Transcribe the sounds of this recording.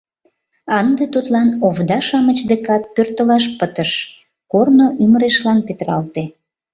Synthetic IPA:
ɑnd̪et̪ut̪lɑnovd̪ɑʃɑmət͡ɕd̪ekɑt̪̚pørt̪əlɑʃ̬pət̪əʃ | kornoʔyməɾeʃlɑnpet̪ɾɑ̰lt̪e

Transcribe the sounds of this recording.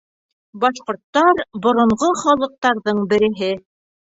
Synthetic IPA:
bɑʃqŏɾt̪ːɑɾbŏɾŏɴʁoχɑlˠɤ̆q̚t̪ɑɾðɤɴbɘ̆ɾɘ̆ɦɘ

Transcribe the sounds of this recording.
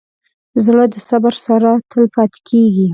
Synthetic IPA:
zɽəd̪əsabaɾsaɾat̪ʰəlpɑt̪e̥kʰeɡi

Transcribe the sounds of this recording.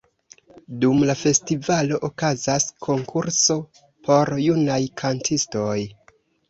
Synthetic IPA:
dumlafe̞stivalo̞ʔokazaskʰo̞ŋkʰuɾso̞ | pʰo̞ɾjunajkʰantʰisto̞j

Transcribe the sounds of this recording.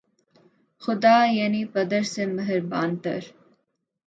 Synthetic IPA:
xʊd̪aːjɐnipɐd̪əɾsemɐɦɪɾbaːnt̪ɐ̰ɾ

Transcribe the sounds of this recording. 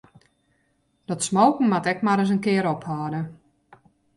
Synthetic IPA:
dɔtsmowknŋ̩matɛkmaɾəs̬ənkɪəɾɔphɔːdə

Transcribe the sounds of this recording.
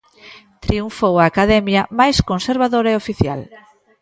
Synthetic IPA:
t̪ɾiuɱfowaːkaðɛmjɐmajskonseɾβ̞aðoɾɐeofiθja̰l

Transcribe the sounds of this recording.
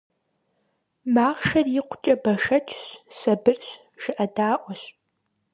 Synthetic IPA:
maːʁʃɐrjɪqʷʊt͡ʃʼɐbɐʂɐt͡ʃʰɕsɐbɨrɕ | ʒɨʔɐdaːʔʷɔɕ

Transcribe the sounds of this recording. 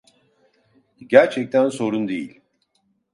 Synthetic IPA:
ɟæɾt͡ʃʰɛc̚t̪ʰænso̞ɾund̪ejḭlʲ

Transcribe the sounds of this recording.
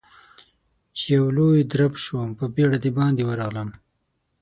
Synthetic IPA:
t͡ʃejawlojd̪ɾabʃwəmpəbeɽad̪ibɑnd̪ewəɾɑɣləm

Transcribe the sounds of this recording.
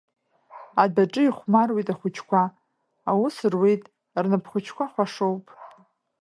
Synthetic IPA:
adaʈ͡ʂʼɨiχʷmarwejtʼaχʷʊt͡ʃʰkʷʰaː | wʊsrwejtʼ | rnɨpʰχʷʊt͡ʃʰkʷʰaχʷaʂowpʼ

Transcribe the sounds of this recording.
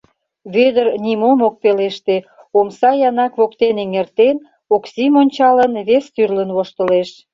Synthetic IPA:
βød̪ərnimomok̚peleʃt̪e | omsɑjɑnɑkβokt̪eneŋert̪en | oksimonʲt͡ɕɑlənβest̪yrlənβoʃt̪əleʃ

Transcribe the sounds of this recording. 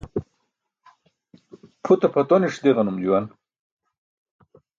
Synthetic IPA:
pʰut̪apʰɐt̪oniʂd̪eʁɐnumd͡ʑuwan

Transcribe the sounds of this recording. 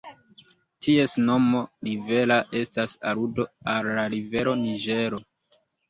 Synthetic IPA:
tʰie̞sno̞mo̞ɾive̞laʔe̞stasaɾudo̞alːaɾive̞ɾo̞niʒe̞ɾo̞

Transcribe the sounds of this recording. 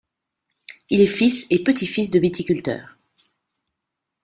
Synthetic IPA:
ilɛfisepət̪ifis̬d̪əvit̪ikʲylt̪œ̰ːʁ

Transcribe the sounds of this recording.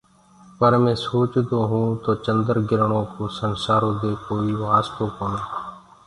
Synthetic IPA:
pəɾmẽːsoːt͡ʃd̪oːɦũːt̪oːt͡ʃənd̪əɾɡɪɾɳõːkoːsənsaːɾõːd̪eːkoːiːʋaːst̪oːkoːnoː

